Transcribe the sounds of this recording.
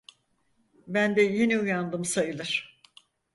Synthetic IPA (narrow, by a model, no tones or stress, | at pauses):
bænd̪ɛjeniujand̪ɯmsajɯlˠɯɾ̥